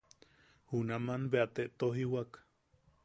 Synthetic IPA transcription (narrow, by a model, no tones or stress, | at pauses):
hunamanbeat̪eʔt̪oɦiwak